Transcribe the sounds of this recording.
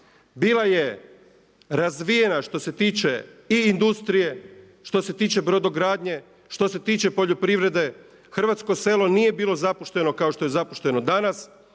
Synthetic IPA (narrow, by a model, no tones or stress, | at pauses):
biːlˠaje̞ | ɾazʋije̞naʃt̪o̞se̞t̪iːt͡ʃe̞iːnd̪ust̪ɾije̞ | ʃt̪o̞se̞t̪iːt͡ʃe̞bɾo̞d̪o̞ɡɾaːd̪ɲe̞ | ʃt̪o̞se̞t̪iːt͡ʃe̞po̞ʎopɾiʋɾe̞d̪e̞ | xr̩ʋat̪sko̞se̞ːlo̞nije̞biːlo̞zapoʃt̪eno̞kaoʃt̪o̞jezapoʃt̪e̞no̞d̪anas